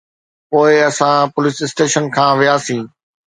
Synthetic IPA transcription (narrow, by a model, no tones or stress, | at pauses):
poːɪɐsãpʊlɪsɪsʈeːʃənkʰãːʋijaːsĩː